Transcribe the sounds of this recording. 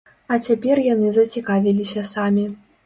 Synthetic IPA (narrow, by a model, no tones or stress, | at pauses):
ɐt͡sʲapʲɛrjanɨzɐt͡sʲikavʲilʲisʲɐsamʲi